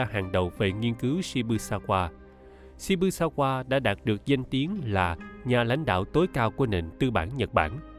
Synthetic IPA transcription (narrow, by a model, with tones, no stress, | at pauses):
aː˧haː˨˩ŋɗə˨˩wve˨˩ŋi˧ənkɨ˨˦wsi˧ɓɨ˧saː˧kwaː˧ | si˧ɓɨ˧saː˧kwaː˧ɗa̰ː˧˥ɗaː˨˩t̚ɗɨ˨˩ək̚za˧jŋ̟t̪i˨˦ənlaː˨˩ɲaː˨˩la̰˧˥jŋ̟ɗa̰ː˧˨wt̪o˨˦jkaː˧wku˧˩ənḛ˨˩nt̪ɨ˧ɓa̰ː˧˩nɲə˨˩t̚ɓa̰ː˧˩n